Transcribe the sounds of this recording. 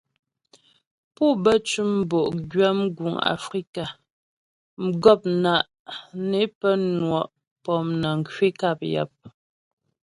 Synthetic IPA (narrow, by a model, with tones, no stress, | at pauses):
pu˦˨bə˦t͡ʃu˦m̩˦bo˨ʔɡɥa˦m˦ɡu˨ŋa̰˨fɾi˦ka˨ | m̩˨ɡɔ˦˨p̚na˨ʔ | ne˨˦pə˦nwɔ˨ʔ | pɔ˦˨mnə˨ŋ̩˨kɥi˦ka˦˨p̚ja̰˨p̚